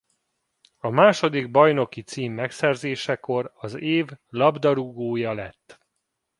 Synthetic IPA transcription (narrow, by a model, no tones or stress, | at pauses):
ɒmaːʃo̞d̪iɡ̚bɒjno̞kit̪siːmːɛksɛrzeːʃɛko̞ɾɒzeːvlɒbd̪ɒɾuɡoːjɒlɛ̰t̪ː